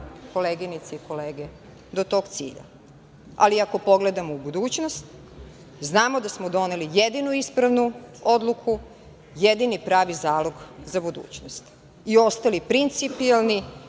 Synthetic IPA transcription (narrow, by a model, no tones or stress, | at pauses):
ko̞leːɡinit̪seiko̞leːɡe | d̪ot̪o̞ːɡt̪sḭːʎa̰ | a̰liako̞po̞ɡle̞d̪amoubud̪uːt͡ɕnost̪ | znaːmo̞d̪asmod̪o̞nelijed̪inuispɾaʋnuo̞d̪lˠukʰu | jed̪inipɾaːʋizaːlo̞ɡzabud̪ṵːt͡ɕnost̪ | io̞st̪alipɾint̪sipialˠni